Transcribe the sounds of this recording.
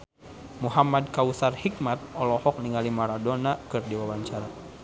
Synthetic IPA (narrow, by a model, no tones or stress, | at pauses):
muɦamad̚kausarhik̚mat̪̚ɔlɔhɔk̚niŋalimaɾadɔnakɨrdiwawaɲt͡ʃaɾa